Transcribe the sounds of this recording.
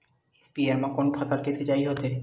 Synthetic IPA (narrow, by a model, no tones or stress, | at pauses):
espieɾmakonpʰat̪aɾket̪ʰed͡ʑajɦɔt̪eɾ